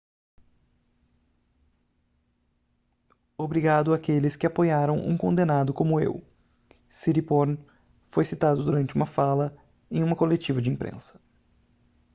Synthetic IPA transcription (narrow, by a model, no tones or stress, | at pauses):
obɾiɡad̪ʊakelɪskɪapojaɾɐ̃w̃ʔṵ̃kõnd̪enad̪ʊkõmʊḛw | siɾipoɾn | fojsit̪ad̪ʊd̪uɾɐ̃nt͡ʃɪũmɐfalɐ | ẽj̃ũmɐkolet͡ʃivɐd͡ʒɪĩpɾʔḛ̃sɐ̥